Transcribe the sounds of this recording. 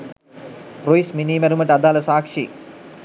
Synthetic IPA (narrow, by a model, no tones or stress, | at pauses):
proisminiːmɐɾumɐʈɐd̪aːlɐsaːkʂi